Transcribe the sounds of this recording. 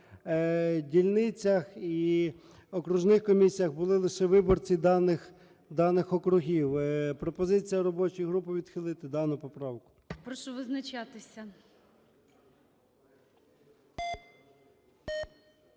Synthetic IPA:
dʲilʲnɪt͡sʲɐxi | ɔkɾʊʒnɪxkɔmʲisʲijɐɣbʊlˠɪlˠɪʃɛʋɪbɔrt͡sʲid̪ɑnɪx | d̪ɑnɪxɔkɾʊɦʲiwpɾɔpɔzɪt͡sʲijɐɾɔbɔt͡ʃjɦɾupɪʋʲid̪xɪlˠɪt̪ɪd̪ɑnʊpɔpɾɑwkʊ̥ | pɾɔʃɔʋɪznɐt͡ʃat̪ɪsʲɐ

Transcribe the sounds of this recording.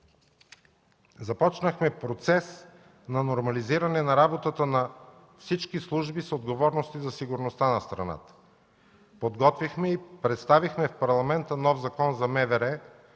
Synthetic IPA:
zɐpɔt͡ʃnəxmɛpɾot̪sɛs | nɐnoɾmɐliziɾɐnɛnɐɾabot̪ət̪ənɐ | fsit͡ʃkislˠuʒbisod̪ɡovɔɾnost̪izɐsiɡʊɾnost̪anɐst̪ɾɐ̰na̰t̪ə̥ | pod̪ɡɔt̪vixmɛipɾɛt̪st̪avixmɛfpɐɾlˠɐmɛnt̪ənɔfzɐkɔnzɐmɛvɛɾɛ

